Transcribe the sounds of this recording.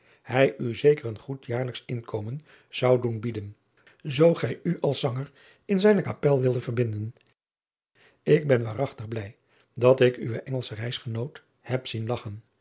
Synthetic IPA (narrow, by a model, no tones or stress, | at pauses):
hɛjyzejkərənχutjaːɹləksɪnkʰowmən | z̥ɑwdunbidən | zowχɛjyʔɑlˠsɑŋəɹ | ɪnzɛjnəkapɛlˠʋɪlˠdəv̥əɹbɪndən | ɪɡ̚bɛnʋaːrɑχtəχblɛj | dɑtɪkyʋəʔɛŋəlˠsərɛjsχənowt | hɛpsinlɑχən